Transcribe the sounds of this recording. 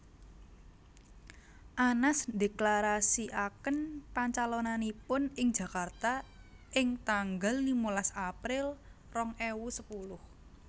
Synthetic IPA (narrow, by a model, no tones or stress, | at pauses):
ʔanasde̤klaɾasiʔakənpaɲt͡ʃalonanipʊnɪŋd͡ʒʒ̥ä̤kart̪a | ɪŋt̪aŋɡalːimulasapɾɪl | rɔŋewusəpulʊh